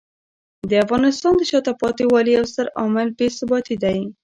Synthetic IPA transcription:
d̪əafɣɑnɪst̪ɑnd̪əʃɑt̪apɑt̪iwɑlijawsaɾɑmɪlbesəbɑt̪id̪aj

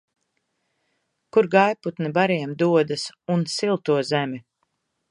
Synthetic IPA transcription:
kuɾɡajput̪nɛbaɾiɛmd̪uɔd̪asunsilˠt̪uɔzɛmi

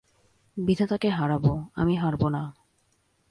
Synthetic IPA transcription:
bid̪ʱat̪akeɦaɾaboa̰miɦaɾbona

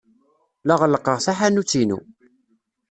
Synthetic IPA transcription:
laʁəlːəqːəʁsaħanut͡sːinṵ

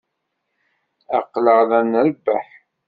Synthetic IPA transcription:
æqːləʁðænəɾbːæ̰ħ

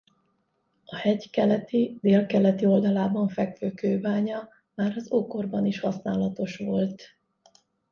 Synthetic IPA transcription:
ɒhɛɟkɛlɛt̪id̪eːlkɛlɛt̪io̞ld̪ɒlaːbɒɱfɛkføːkøːbaːɲɒ | maːɾɒzoːko̞rbɒniʃhɒsnaːlɒt̪o̞ʃʋo̞lt̪

